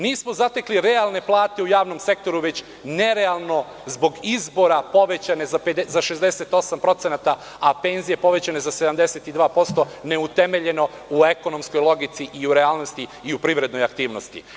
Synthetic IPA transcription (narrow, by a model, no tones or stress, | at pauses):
niːsmo̞zat̪e̞kliɾe̞alˠne̞plˠaːt̪e̞ujaːʋno̞mse̞k̚t̪o̞ɾuʋet͡ɕ | ne̞ɾe̞alˠno̞ | zbo̞ɡizbo̞ɾapo̞ʋe̞t͡ɕane̞zaped̪ezaʃe̞zd̪ese̞t̪o̞sampɾo̞t̪se̞nat̪a | ape̞ːnzije̞po̞ʋe̞t͡ɕane̞zase̞d̪amd̪e̞set̪id̪ʋaːpo̞st̪o̞ | ne̞ut̪e̞me̞ʎe̞no̞ | ue̞ko̞no̞msko̞jlˠo̞ɡit̪siʔiuɾe̞aːlˠnost̪iːupɾiʋɾe̞d̪nojak̚t̪iːʋno̞st̪ḭ